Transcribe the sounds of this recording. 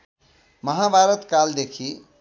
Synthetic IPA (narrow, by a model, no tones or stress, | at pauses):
məɦabʱaɾət̪kald̪ekʰi